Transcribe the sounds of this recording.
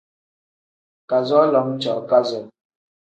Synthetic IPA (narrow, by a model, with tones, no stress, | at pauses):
ka˨zɔ˦lɔ˨˦m˦t͡ʃɔ̰˨ʔka˦zɔ˨